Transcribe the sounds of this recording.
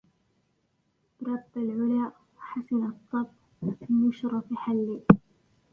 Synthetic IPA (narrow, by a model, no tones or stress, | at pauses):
b̥ɾˤɑbːalʕʊlaːʔ | waħasɪnɑt̪ˤːɑb | fɪmʊʃɾˤɑfħalːiː